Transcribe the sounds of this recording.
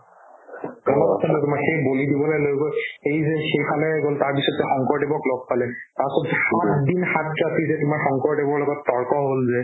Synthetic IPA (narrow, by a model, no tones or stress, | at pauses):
kanɔasʰantɛtʊmaɹxejbolidibɔlɔjlojɡoejzɛxejpʰalɛɡoltaɹpisɔtzɛxɔŋkɔɹdebɔklɔɡ̚palɛtasɔtɛxatdinxat̚katʰizɛtʊmaɹxɔŋkɔɹdebɔɹlɔɡɔtːɔɹkɔɦolzɛ